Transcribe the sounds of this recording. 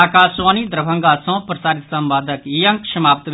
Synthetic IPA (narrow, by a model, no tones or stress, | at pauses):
aːkaːsʋaːnid̪ɾɐbʱɐŋɡaːsʰõːpɾɐsaːɾit̪sɐmbaːd̪ʱɐkijɐ̃ŋkʃɐmaːpt̪ʋ